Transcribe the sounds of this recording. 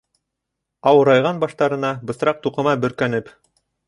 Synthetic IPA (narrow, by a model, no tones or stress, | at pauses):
ɑwɤ̆ɾɑjʁɑnbɑʃt̪ɑɾɤ̆nɑbɤ̆sɾɑq̚t̪uqɤ̆mɑbɵ̆ɾkænɘp